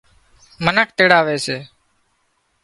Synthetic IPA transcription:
mənəkʰt̪eːɽaːʋeːseː

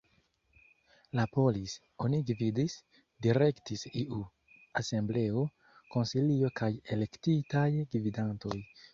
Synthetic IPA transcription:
lapo̞lis | o̞niɡvidis | diɾe̞ktisiʔu | ase̞mble̞o̞ | ko̞nsilio̞kʰaje̞le̞ktitajɡvidanto̞j

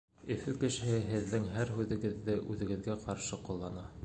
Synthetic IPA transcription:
ɘ̆fɘkɘ̆ʃɘ̆hɘɦɘ̆ðːɘŋɦæɾɦʉðɘ̆ɡɘ̆ðːɘʔʉðɘ̆ɡɘ̆ðɡæqɑɾʃɤqulˠːɑnɑ

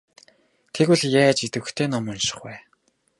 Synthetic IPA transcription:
t̪ʰeɣŭɮjæːt͡ɕit̪ɘ̆xt̪ʰeːnɔmɔnʃɪ̥̆χwæː

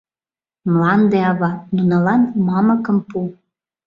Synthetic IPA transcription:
mlɑnd̪eɑβɑnunɑlɑnmɑməkəmpu

